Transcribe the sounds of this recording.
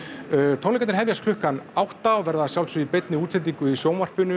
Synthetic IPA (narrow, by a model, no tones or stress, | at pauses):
t̪ʰownɛkat̪ɪ̥ɾɦɛvjaskʰlʏhkanawht̪aɔvɛɾðasjawlsʏipet̪nɪuːt̪sʰɛnt̪̬iŋkʏisjoːwnvar̥pʏnʏ